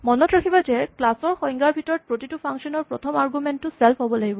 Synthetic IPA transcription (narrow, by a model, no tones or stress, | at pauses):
mɔnɔtɹakʰibazɛklasɔɹxɔjŋɡaɹbʱitɔɹɔt̚pɹotitupʰaŋksɔnɔɹpɹɔtʰɔmaɹɡumɛntːʊsɛlpʰɦobɔlaɡibɔ